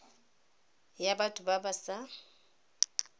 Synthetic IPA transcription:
jabatʼʊbabasa

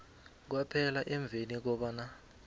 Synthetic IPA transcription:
k̬wapʰɛlaʔɛɱb̪vʱenik̬ɔɓana

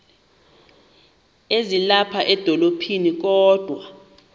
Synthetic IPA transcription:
ezilapʰaʔɛd̥ʱɔlopʰinik̬ʼɔːd̥ʱwa

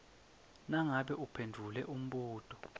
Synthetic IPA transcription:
naŋaɓɛʔupʰendʱulɛ̰ʔum̩ɓuːtʰʼɔ̥

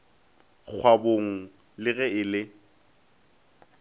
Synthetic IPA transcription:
k͡xʰwaboŋ̩ | lɪɣɛɪlɪ

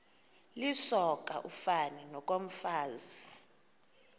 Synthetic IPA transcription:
lisɔk̬ʼaʔufaninɔk̬ʼom̩faːzi

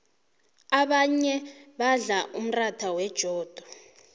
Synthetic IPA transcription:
aɓaɲɛɓaɮaʔum̩ratʰawɛd̥ʒ̥ʱɔːd̥ʱɔ

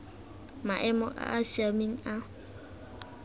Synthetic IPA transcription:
maʔɛmɔ̰ʔa̰ʔasiameŋ̩a

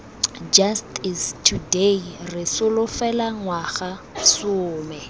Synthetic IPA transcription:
d͡ʒastɪstʰuderɪsʊlʊfɛlaŋwaχa | sʊːmɛ

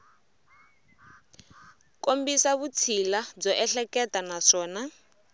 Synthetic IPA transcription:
kombisaβut͡sʰilad͡zɔʔɛɬɛkɛtanaʂɔːna

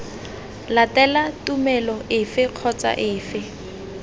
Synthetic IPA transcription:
latʼɛlatʼumɛlɔʔɪfɪq͡χʰɔt͡sa̰ʔɪːfɪ

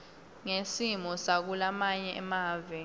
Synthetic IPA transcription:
ŋesimɔsak̬ulamaɲɛʔɛmaːvɛ

